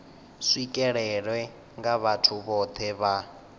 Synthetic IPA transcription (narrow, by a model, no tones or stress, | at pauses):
sikʼɛɺɛɺwɛ | ŋɡaβatʰuβɔt̪ʰɛβa